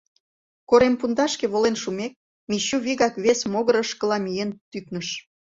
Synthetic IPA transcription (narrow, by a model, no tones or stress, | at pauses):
koɾempund̪ɑʃkeβolenʃumek̚ | miɕuβiɣɑkβesmoɣəɾəʃkə̆lɑmijent̪yknəʃ